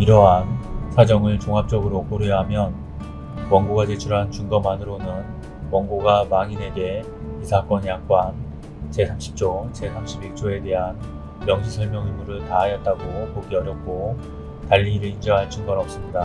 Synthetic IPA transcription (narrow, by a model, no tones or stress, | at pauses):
iɾʌɦansʰad͡ʑʌŋɯɭt͡ɕoŋɦap̚t͡ɕ͈ʌɡɯɾok͈oɾɯjʌɦamjʌn | wʌŋɡoɡad͡ʑe̞t͡ɕʰuɾɦant͡ɕuŋɡʌmanɯɾonɯn | wʌŋɡoɡamaŋine̞ɡe̞ | isʰak͈ʌnjak̚k͈wan | t͡ɕe̞sʰamɕʰi̥p̚t͡ɕ͈ot͡ɕe̞sʰamɕʰibiɭ̚t͡ɕ͈oe̞te̞ɦan | mjʌŋɕʰisʰʌɭmjʌŋimːuɾɯɭtaɦajʌt̚t͈aɡopoɡiʌɾjʌk̚k͈o | taʎːiɾɯind͡ʑʌŋɦaɭt͡ɕʰuŋɡʌnʌp̚s͈ɯmɲida